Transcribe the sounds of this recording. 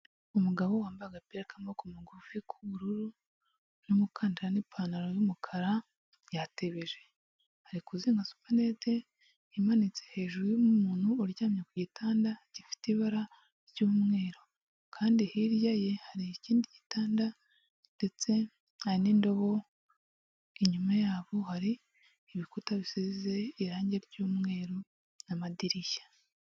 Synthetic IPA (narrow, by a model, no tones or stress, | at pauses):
umuɡaβo̞waːmbaɡapeɾekamokumuɡufikʰuβuɾuɾu | numukʰaːndiɾanipʰaːnaɾojumukʰaɾa | jateβeʒe | haɾikuziːŋɡasu̥pane̞te̞ | imanit͡sehe̞ːʒuɾujumumuːnhuːɾɟaːmɲekuɟitʰaːndaɟifi̥tiβaɾa | ɾɟuːmŋe̞ːɾo̞ | kʰaːndihiɾjaje̞haɾiiciːndiɟitaːnda | nde̞t͡se̞ | haɾiniːndo̞βo̞ | iɲumajaːβo̞haɾiː | βikutaβisizze̞iɾaːɲɟe̞ɾɟuːmŋe̞ːɾo̞ | namadiɾiʃḁ